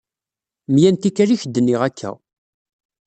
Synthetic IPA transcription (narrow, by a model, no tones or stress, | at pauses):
mjænt̪ikæɾiçd̪ːənːiʁækʰːæ̰